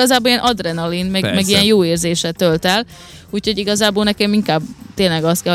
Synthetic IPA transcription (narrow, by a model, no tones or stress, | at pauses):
ɒzaːboliɛnʔɒd̪rɛnɒlinmɛɡmɛɡijɛnjoːeːrzeːʃɛt̪ølt̪ɛl | uːcho̞ɟiɡɒzaːboːlnɛkɛmiŋkaːbt̪eːnlɛɡɒst̪kɛl